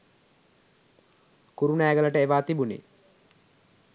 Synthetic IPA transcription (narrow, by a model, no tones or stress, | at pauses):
kuɾunæːɡələʈəeʋaːt̪ibunḛ